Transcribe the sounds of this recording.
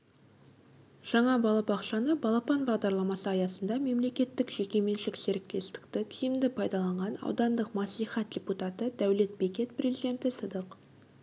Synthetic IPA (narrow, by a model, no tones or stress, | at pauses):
ʒ̥ɑɴɑbɑlˠɑpɑqʃɑnəbɑlˠɑpɑnbɑʁd̪ɑɾlˠɑmɑsəɑjɑsənd̪ɑme̞mle̞kʲe̞t̪ːɪkʒ̥e̞kʲe̞me̞nʃɪkseɾɪk̚t̪e̞st̪ɪ̥kt̪ɪt̪ʲʰijɪmd̪ɪpʰɑjd̪ɑlˠɑɴʁɑnɑ̰wd̪ɑnd̪əqmɑslˠijχɑt̪̚d̪ʲeput̪ɑt̪əd̪æwle̞t̪̚bekʲe̞t̪pʰrʲezid̪ʲe̞nt̪ɪsəd̪əq